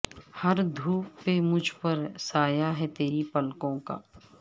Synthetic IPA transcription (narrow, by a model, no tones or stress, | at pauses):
hɐɾd̪ʱuːpːemʊd͡ʒʱpɐɾsaːjaɦɛt̪eːɾipɐlkõka̰ː